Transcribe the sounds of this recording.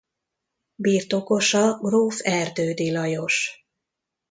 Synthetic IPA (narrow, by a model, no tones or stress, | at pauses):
biːrt̪o̞ko̞ʃɒɡroːfɛrd̪øːd̪ilɒjo̞ʃ